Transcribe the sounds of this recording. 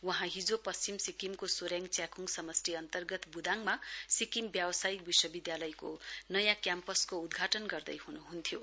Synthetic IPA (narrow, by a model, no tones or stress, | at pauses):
wʌɦãɦid͡zopʌst͡ɕimsikimkosoɾjaŋɡt͡sjakuŋɡsʌmʌsʈiʌnt̪ʌrɡʌt̪bud̪ʱaŋmasikimbjawʌsajik̚biswʌbid̪jalʌjkonʌjãkjampʌskoud̪ɡʱaʈʌnɡʌrd̪ʌ̰jɦunuɦunt̪ʰjo